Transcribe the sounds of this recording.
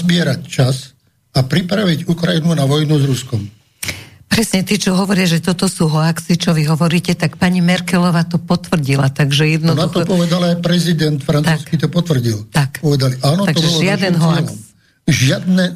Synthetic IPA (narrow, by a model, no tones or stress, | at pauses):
zbɪɛɾact͡ʃas | apɾipɾaʋiɟukɾajinunaʋɔjnuzɾuskɔm | pɾɛsɲɛt̪it͡ʃɔɦɔʋɔɾɪaʒɛt̪ɔt̪ɔsuːɦɔaksit͡ʃɔʋiɦɔʋɔɾiːcɛt̪akpaɲimɛɾkɛlɔʋaːt̪ɔpɔt̪ʋr̩ɟilat̪aɡʒɛjɛd̪nɔd̪nauxt̪ɔɔpɔʋɛd̪alajpɾɛzid̪ɛnt̪fɾant̪uːskit̪ɔpɔt̪ʋr̩ɟilt̪akpɔʋɛd̪aliʔaːnɔt̪aɡ̪ɔʒɛɔlɪad̪ɛnɦɔ | ʒɪad̪nɛ